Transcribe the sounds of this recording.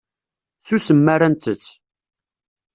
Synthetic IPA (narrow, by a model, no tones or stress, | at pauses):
susəmːaɾænt̪ət͡sː